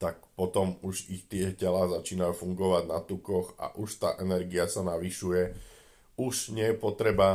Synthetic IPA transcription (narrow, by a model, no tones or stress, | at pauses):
t̪ak̚pɔt̪ɔmuʒixt̪ɪɛcɛlaːzat͡ʃiːnajufuŋɡɔʋaɟnat̪ukɔxa̰ʔuʃt̪a̰ːʔɛnɛɾɡiasanaʋiʃujɛ | uʒɲɪɛjɛpɔt̪ɾɛba